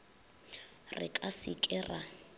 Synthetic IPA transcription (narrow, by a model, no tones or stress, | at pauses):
rɪ̰kʼasɪkʼɛra